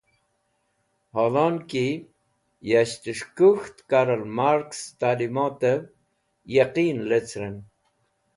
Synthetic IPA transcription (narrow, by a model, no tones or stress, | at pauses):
hɔlɔnki | jaʃt̪əʂkuxt̪kaɾəlmaɾkst̪alimot̪ə | jaqiːnlət͡sʰɾən